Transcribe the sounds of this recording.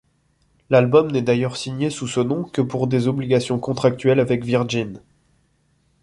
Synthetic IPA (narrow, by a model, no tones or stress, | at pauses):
lalbɔmnɛd̪ajœʁsiɲjesusənɔ̃kəpuʁd̪ezɔbliɡasjɔ̃kɔ̃t̪χak̚t̪ɥɛlavɛkviʁʒin